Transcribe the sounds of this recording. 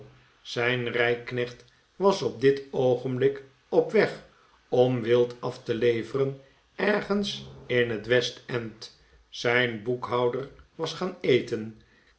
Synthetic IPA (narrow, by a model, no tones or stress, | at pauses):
z̥ɛjnrɛjknɛχt | ʋɑsɔb̚dɪtowχənblɪk | ɔpʋɛχ | ɔmʋɪlˠtɑftəlejvərən | ɛɹχənsɪnɦətʋɛstɛnt | z̥ɛjnbukɦɑwdəɹʋɑsχaːnejtən